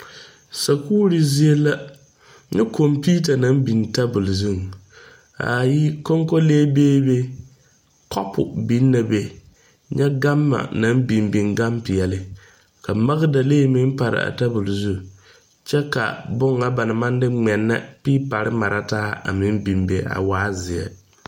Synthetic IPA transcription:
sa˨kuː˦ɾi˨zi˦e˦la˦ | ɲɛ˦ko˨mpi˦ta˨na˨˦mbi˨nta˦bʊ˨lzu˦˨ŋ | a̰˨ji˦ko˦ŋko˦leː˦beː˦be˦ | kɔ̰˦pʰʊ˨bi˦nːa˨be˦ | ɲɛ˦ɡa˦mːa̰˨na˦m˦bi˨mbi˨ŋɡa˦mpɪ˨jɛ˨lɪ˨ | ka˨ma˦ɣɪ˦da˨leː˦mɪ˦n˦pa˨ɾɪ̰˨a̰˨ta˦bʊ˨lzu˦ | t͡ʃɛ˦ka̰˨bʊ˦ŋa˨ba˨nɪ˨ma˦n˦dɪ˦ŋ͡mɛ˨nːa̰˦pɪ˦pa˨ɾɪ˦ma˨ɾʔa˦taː˦a̰˨mɪ˦m˦bi˨mbe˨a̰˨waː˨˦zɪ˨ɛ̰˨

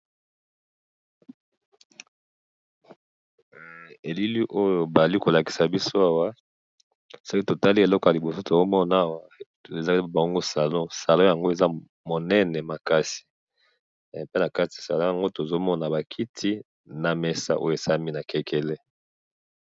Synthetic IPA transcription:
e˨li˦li˦ʔo˦jo˨ba˨za˨li˦ko˨la˨ki̥˨sa˨bi˦so˦a˦wa˦ | so˦ki˦to˨ta˦li˦e˨lɔ˦ka˨li˨bo˨so˦to˨zo˦mɔ˦na˦wa˦ | e˨za˦˨ba˨u˦ŋɡo˦sa˨lɔ̃˦sa˨lɔ̃˦ja˨ŋɡo˦e˨za˦ | mo˨nɛ˦nɛ˨ma˨ka˦si̥˨ | pe˦na˨ka˦ti˨sa˨lɔ̃˦ja˨ŋɡo˦to˨zo˦mɔ˦na˨ba˨kʰi˦tʰi˦ | na˨mɛ˨sa̰˦ʔo̰˦jo˨e˨sa˦mi˦na˨kɛ˦kʰɛ˦le˦

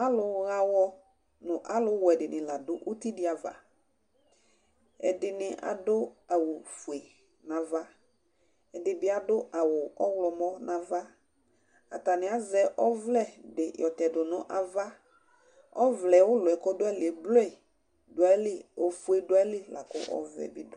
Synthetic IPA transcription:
a˦lʊ˨ɣa˦wɔ˦ | nʊ̃˨ʔa˦lʊ˦wɔ˨ɛ˨dɪ˨nɪ̃˨la˨dʊ˦ʔʊ˦t̪i˦dɪ˦a˨va̰˨ | ɛ̰˨dɪ˨nɪ˨ʔa̰˨dʊ˦a˨wʊ˨fʊ˨e˨ | nã˨va˦ | ɛ˨dɪ˨bɪ˦a˨dʊ˦a˨wʊ˨ɔ˦wlɔ˨mɔ˦nã˨va˦ | a̰˨ta˨nɪ˨a˨zɛ˨ʔɔ˦vlɛ˦dɪ˨jɔ˨tɛ˨dʊ˨nʊ̃˨ʔa˨va˦ | ɔ˦vlɛ˨wʊ˦lʊ˨ɛ˨kɔ˦dʊ˦ɛ˦lɪ˨ɛ˨blɔ˦ɛ˨ | dʊ˨a˨˦lɪ˦o˨fu˦e˨dʊ˨˦a˦lɪ˦la˨kʊ̰˦ʔɔ̰˦vɛ̰˨bɪ˦dʊ˦

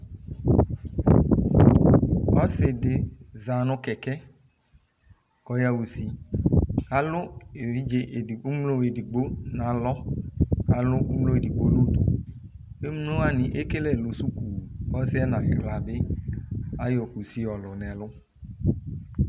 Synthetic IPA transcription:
ɔ˦sɪ˨dɪ˨za˨nʊ̃˨kɛ˨kɛ˦ | kɔ˨ja˨wu˨si˨ | ka˦lʊ˦e˨i˦d͡ʒe˦ʔu˦mlo˦e˨di˨ɡ͡bo˦nã˨lɔ˦ka˨lʊ˦u˦mlo˦e˨di˨ɡ͡bo˨˦lo˦du˨ | e˦mlo˦a˦nɪ̃˨ʔe˦ke˦lɛ˦˨lʊ˨su˦ku˨kɔ˦sɪ˦ɛ˦nã˨ɪ˨bla˨bɪ˦ | a˦jɔ˨ku˨si˦ɔ˨lʊ˨nɛ̃˨lʊ˦

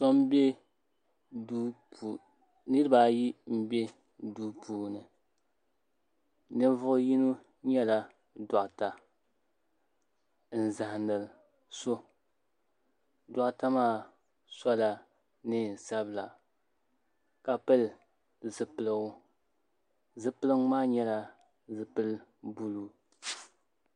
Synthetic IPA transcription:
sɔ˦m˦bɛ˦ | du˦pu˨ | nɨ˦ɾɨ˦baː˦ji˦m̩˦bɛ˦ | duː˦pʰuː˨˦nɨ˨ | nɨ˦ɱ˦vʊ˦ʔji˦nu˦ | ɲɛ˦la˨ | da˨ʔta˨ | n̩˨za˨hnɨ˨l | so˦ | da˨ʔta˦maː˦ | sa˦la˨ | nɨ˦n˨sa˦bɨ˨la˨ | ka˨pɨ˦l | zɨ˨pɨ˨lɨ˦ŋʊ˦ | zɨ˨pɨ˦lɨ˦ŋ˦maː˦ɲɛ˦la˨ | zɨ˨pɨ˦lbu˦lu˦

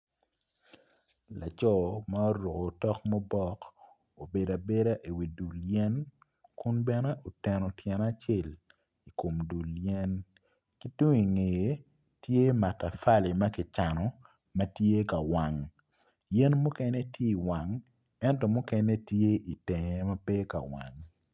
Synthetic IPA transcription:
la˨t͡ʃɔ˦ma˦o˦ɾo˨ko˨tɔ˦k̚mɔ˦bɔ˦k | o˨be˨da˨be˦ɾa˦ʔi˨wi˨du˨ljɛ˦n | kʊ˦nbɛ˦ne˦ʔo˨tɛ˨nɔ˨tʰjɛ˨na˦t͡ʃe˦˨l | i˨ko˨mdu˨ljɛ˦n | ki˦tu˦ŋi˨ŋe˨je˨ | tje˦ma˨ta˨fa˦li˨ma˦kɪ˨t͡ʃa˨nɔ˨ | mɐ˦tje˦ka˨wa˨ŋ | jɛ˦nmʊ˦kɛ˦ne˦tje˦i˨wa˨ŋ | ɛ˦ntɔ˦mʊ˦kɛ˦ne˦tje˦ʔi˨te˨ŋe˨ma˦pe˦ka̰˨wa̰˨ŋ

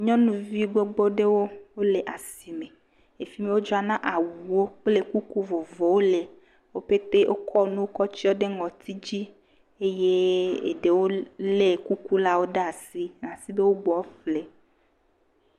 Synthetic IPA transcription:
ɲɔ̃˦nũ˦vi˦ɡ͡bo˦ɡ͡bo˦ɖe˦wo˦wo˦le˨ʔa˨si˨me˨ | e˨fi˦me˦wo˦d͡ʒɔ˦a˨nã˦ʔa˨wu˨wo˦k͡ple˦ku˦ku˦vo˨vɔ˨wo˦le˨ | wo˦ɸe˦t̪e˦ʔo˦kʰɔ˦nũ˦wo˦kɔ˦t͡ɕi˦wo˦ɖe˦ŋɔ̃˨t̪ʰi˦d͡ʑi˦ | e˦je˦ḛ˨ɖe˨wo˦le˨ku˦ku˦la˦wo˦ɖa˦a˨si˦nã˨si˦be˦wo˦ɡ͡bɔ˨˦fle˨

